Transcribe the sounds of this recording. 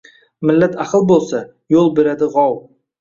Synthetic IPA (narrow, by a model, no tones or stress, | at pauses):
mɪlːat̪ʰaqʰɨlˠbolˠsa | jolˠbeɾad̪ɪʁɒw